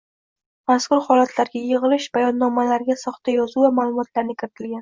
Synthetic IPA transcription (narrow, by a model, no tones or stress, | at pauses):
maskʰʊɾhɒlat̪ʰlaɾɡʲajɪʁɨlɪʃbajɒnːɒmalaɾɡʲasɒχt̪ajɒzuvamaːlˠʊmɒt̪laɾnɪkʲɪɾɪt̪ʰɪlɡʲan